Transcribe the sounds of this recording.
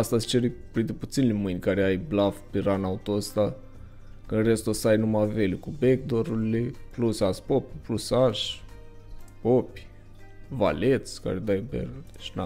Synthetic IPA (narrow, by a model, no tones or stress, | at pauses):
ast̪ast͡ʃeɾipɾint̪ɾeput̪sinelemɨjnʲkaɾeajblafpeɾanaut̪ost̪a | kɨnrest̪osajnumavelʲukubek̚d̪oɾulileplusaspopʲuplusaʃ | popʲ | va̰let̪ska̰ɾed̪ajbḛrlʃina